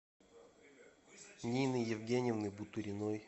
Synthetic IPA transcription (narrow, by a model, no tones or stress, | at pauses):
nʲinɨjɛvɡʲenʲɪvnɨbut̪uɾʲɪnoj